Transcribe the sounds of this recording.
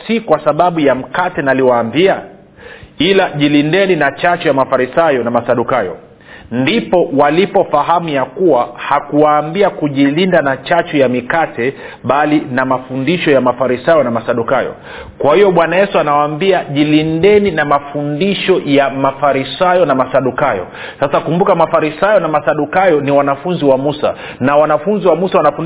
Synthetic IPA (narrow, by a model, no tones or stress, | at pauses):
sikwasaɓaɓujam̩katɛnaliwaːmbia | ilaʄilindɛninat͡ʃat͡ʃɔjamafaɾisajɔnamasaɗukajɔ̰ | ndipɔwalipɔfaɦamujakuwahakuwaːmbiakuʄilindanat͡ʃat͡ʃɔjamikatʰɛ | ɓalinamafundiʃɔjamafaɾisajɔnamasaɗukajɔ̰ | kwahijɔɓwanajɛsuanawaːmbiaʄilindɛninamafundiʃɔjamafaɾisajɔnamasaɗukajɔ̰ | sasakumbukamafaɾisajɔnamasaɗukajɔniwanafunziwamusa̰ | nawanafunziwamusawanafu